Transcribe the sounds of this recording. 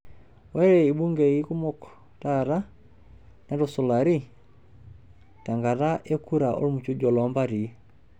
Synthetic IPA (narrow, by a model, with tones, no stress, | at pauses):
wɛ˦ɾɛ˨i˨bu˦ŋɡe˨i˦ku˦mɔ˦k | taɾa˦ | nɛ˨˦ɾɔsɔ˨la˨ɾi˦ | ta˨ŋɡa˨ɾa˦ʔe˦ku˦ɾa˨ʔo̰˦ɾmu˨t͡ʃu˦d͡ʒɔ˨lɔ˨mba˦ɾi˨